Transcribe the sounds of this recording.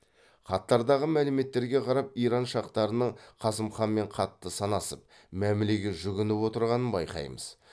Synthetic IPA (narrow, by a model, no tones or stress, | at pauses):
χɑt̪ːɑɾd̪ɑʁəmælɪme̞t̪ːe̞ɾɡʲe̞qʰɑɾɑp̚ijɾɑnʃɑqt̪ɑɾənəɴqʰɑsəmχɑnme̞ɴqʰɑt̪ːəsɑnɑsəp̚ | mæmɪleɡʲeʒʏɡʲɪnɪpwo̞t̪əɾʁɑnənbɑ̰jqɑ̰jmə̰z̥